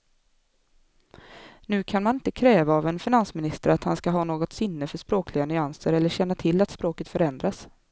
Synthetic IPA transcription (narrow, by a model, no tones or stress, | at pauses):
nʉ̟ːkʰanmanɪnt̪əkʰɾɛːvaːvɛnfɪnansmɪnɪst̪əɾat̪hanskaɦɑːnoːɡɔt̪sʏnːəfœʂpɾoːklɪɡanʏansəɾɛlːəɕɛnːat̪ʰɪlːat̪spɾoːkət̪fœɾɛnd̪ɾas